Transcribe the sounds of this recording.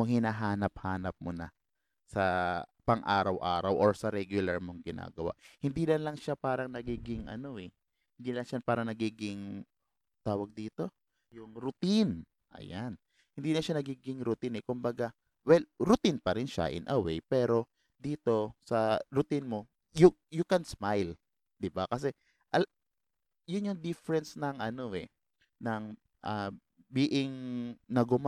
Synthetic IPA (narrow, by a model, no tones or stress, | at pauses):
moŋhɪnaːɦaːnɐp̚haːnɐp̚monɐ̰ | sɐpɐŋʔaːɾɐwʔaːɾɐwʔoɹsɐɾɛɡjʊlɐɹmoŋɡɪna̰ːɡɐwa̰ʔhɪnd̪iːlɐnlɐŋʃapaːɾɐŋnɐɡiːɡɪŋʔɐ̰no̞ʔɛ | hɪnd̪iːlɐŋʃapaːɾɐŋnɐɡiːɡɪŋ | t̪aːwɐɡ̚d̪iːt̪o̞ | jʊŋɾʊt̪in | ʔɐ̰jan | hɪnd̪iːnɐʃanɐɡiːɡɪŋɾʊt̪inɛkʊmbɐɡa | wɛlɾʊt̪inpɐɾɪnʃa̰ʔɪ̰nʔɐwḛjpɛːɾo̞ | d̪iːt̪o̞sɐɾʊt̪inmo̞ | jʊjʊkɛnsmajl | d̪̥ɪbakɐsɛ | ʔɐl | jʊnjʊŋd̪ɪfɾɛnsnɐŋʔɐno̞ʔɛ | nɐŋ | ʔɐ | bɪʔɪŋnɐɡʊma